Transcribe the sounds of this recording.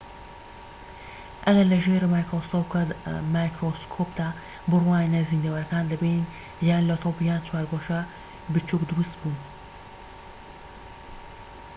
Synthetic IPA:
ʔɐɡɐlɐʒeɾmaːjkɾosopkamajkɾoskʰopd̪aː | bɨrwaːninɐzind̪ɐwɐɾɐkaːnlɐben | jaːnlɐt̪ʰobjaːnt͡ʃʰwaːɾɡoʃɐ | bɨt͡ʃukd̪uɾɨst̪buːn

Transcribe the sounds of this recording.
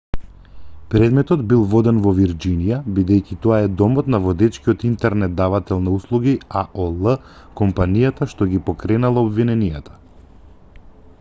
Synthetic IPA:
pɾɛd̪mɛt̪ɔd̪bilˠvɔd̪ɛnvɔviɾd͡ʒinijabid̪ɛjkʲit̪ɔaɛd̪ɔmɔt̪navɔd̪ɛt͡ʃkiɔt̪int̪ɛɾnɛt̪̚d̪avat̪ɛlˠnauslˠuɡiaʔolˠə | kɔmpanijat̪aʃt̪ɔɡipɔkɾɛnalˠaobvinɛnijat̪ʰḁ

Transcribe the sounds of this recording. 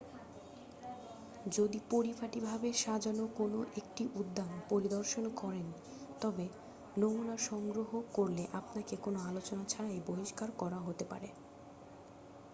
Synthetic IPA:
d͡ʑod̪ipoɾipʰaʈibʱabeʃad͡ʑanokonoʔek̚ʈiʔud̪ːanpoɾid̪oɾʃonkɔɾen | t̪ɔbe | nomunaɾʃɔŋɡɾoɦokoɾleʔapnakekonoalot͡ɕonat͡ɕʰaɾajboɦiʃkaɾkɔɾaɦot̪epa̰ɾe

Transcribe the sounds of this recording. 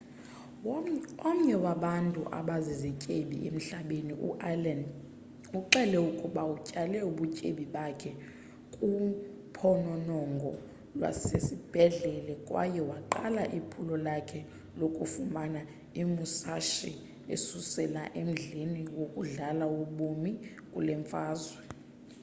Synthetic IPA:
om̩ɲɛwaɓantʼuʔa̰ɓazizɛcʼeɓḭʔḛm̩ɬaɓeniʔṵʔaland | uǃɛlɛukʼuɓaucʼalɛuɓucʼeɓiɓakʰɛ | kʼu | pʰɔnɔnɔŋɡʱɔ̰ | lwa̰sesib̥ʱɛɮɛlɛkʼwa̰jɛwaǃalaʔipʰulɔlakʰɛ | lokʼufumana | imusaʃḭ | ḛsusɛlaʔem̩ɮiniwokʼuɮalauɓumi | kʼulɛɱfaːzwɛ

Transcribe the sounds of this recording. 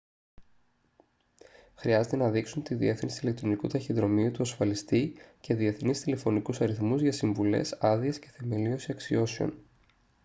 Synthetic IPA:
xɾiɐze̞t̪e̞nɐðiksunt̪iðie̞fθinsile̞kt̪ɾo̞nikut̪ɐçinðɾo̞miut̪uɐsfɐlist̪ice̞ðie̞θnist̪ile̞fo̞nikusɐɾiθmuzʝɐsiɱvule̞̰sɐðie̞sce̞θemelio̞sisɐksio̞sio̞̰n

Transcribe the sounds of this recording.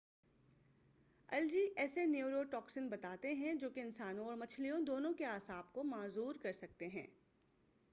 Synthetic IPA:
ɐld͡ʒiːʔɛːsenjiːɾoʈɔːksɪnbɐt̪aːt̪eɦɛ̃d͡ʒoːkeɪnsaːnõɔːɾmɐt͡ʃʰlijõd̪oːnõkeaːsaːb̚komaːzuːɾkɐɾsɐk̚t̪eɦɛ̃ː

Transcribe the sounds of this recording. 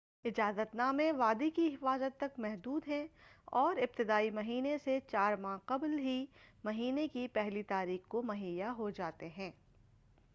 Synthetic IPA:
ɪd͡ʒaːzət̪naːmẽʋaːd̪ikiɦɪfaːzət̪ːɐkmɛɦd̪uːd̪ɦɛ̃ɔːɾɪp̚t̪ɪd̪aːimɐɦiːneset͡ʃaːɾmãːqɐblɦimɐɦiːnekipɛɦlit̪aːɾiːxkomɐɦiːjaɦod͡ʒaːt̪eɦɛ̃ː

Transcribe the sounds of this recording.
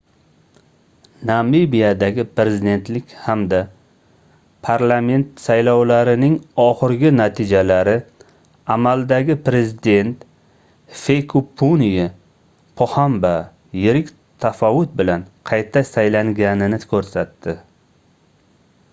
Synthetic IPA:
namibijad̪aɡʲɪpʰɾe̞zɪd̪e̞nt̪lɪkʲhamd̪a | pʰaɾlˠame̞nt̪sajlɒwlaɾɪnɪŋɒχɨɾɡʲɪnat̪ʰɪd͡ʒalaɾɪ | amald̪aɡʲɪpʰɾe̞zɪd̪e̞nt̪ | fejkʰupʰːunija | pʰohamba | jɪɾɪkʲ | t̪ʰafɒwʊt̪̚bɪlanqʰɑjt̪ʰasajlaŋɡʲanɪnɪkʰɵɾsat̪ːɪ

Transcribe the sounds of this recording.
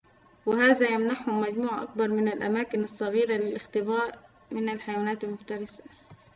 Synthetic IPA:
wɪhaːzajamnaħhʊmːad͡ʒmuːʕʔa̰k̚bɑɾˤmɪnɪlʔa̰maːkɪnɑsˤːɑɣiːɾalɪlʔɪxt̪ɪbaːʔ | mɪnɪlħajawaːnaːt̪ɪlmʊxt̪ɑɾˤɑsḁ

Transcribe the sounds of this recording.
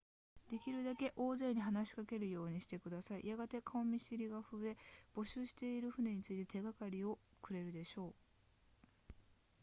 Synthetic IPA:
d̪̥e̞kʲiɾɯ̟d̪ake̞ʔo̞ːze̞ːɲ̟iɦanaɕi̥kake̞ɾɯ̟jo̞ːɲ̟iɕi̥t̪e̞kɯd̪asaḭjaɡat̪e̞kaomʲiɕiɾʲiɡaɸɯ̟e̞b̥o̞ɕɨːɕi̥t̪e̞iɾɯ̟ɸɯ̟ne̞ɲ̟it͡sɨit̪e̞t̪e̞ɡakaɾʲio̞kɯ̟ɾe̞ɾɯ̟d̪e̞ɕo̞ː

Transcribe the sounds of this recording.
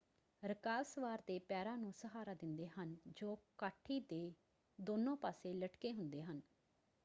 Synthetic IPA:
ɾəkaːlsəʋaːɾd̪eːpɛːɾãːnũːsəɦaːɾaːd̪ɪnd̪eːɦənd͡ʒoːkaːʈʰːiːd̪eː | d̪oːnõːpaːseːləʈkeːɦʊnd̪eːɦən

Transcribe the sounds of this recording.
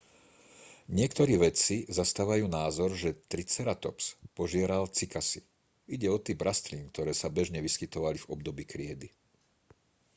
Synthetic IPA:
ɲɪɛkt̪ɔɾiːʋɛt͡sizast̪aːʋajuːnaːzɔɾʒɛt̪ɾit͡sɛɾat̪ɔpspɔʒɪɛɾalt͡sikasi | iɟɛɔt̪iːbɾast̪liːnkt̪ɔɾɛːsabɛʒɲɛʋiskit̪ɔʋalivɔb̚d̪ɔbiːkɾɪɛd̪i

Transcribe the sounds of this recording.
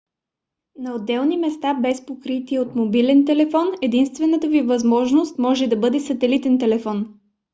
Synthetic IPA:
nɐod̪ːɛlˠnimɛst̪abɛspokɾit̪iɛot̪mobilɛnt̪ɛlɛfɔnɛd̪inst̪vɛnət̪əvivɐzmɔʒnost̪mɔʒɛd̪ɐbɤd̪ɛsɐt̪ɛlit̪ɛnt̪ɛlɛfɔn

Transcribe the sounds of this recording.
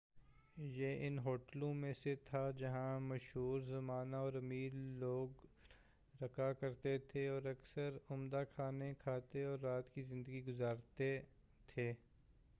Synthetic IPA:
jeʔɪnɦoːʈlõmẽset̪ʰad͡ʒɐɦãmɐʃɦuːɾzɐmaːnaɔːɾɐmiːɾloːɡ | ɾɐkakɐɾt̪et̪ʰeɔːɾɐksəɾʊmd̪akʰaːnekʰaːt̪eɔːɾːaːt̪kizɪ̃nd̪əɡiɡʊzaːɾt̪e | t̪ʰeː

